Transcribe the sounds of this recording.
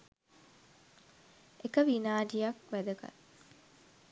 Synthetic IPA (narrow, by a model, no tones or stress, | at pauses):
ekəʋinaːɖijɐkʋæd̪ɐkɐ̰t̪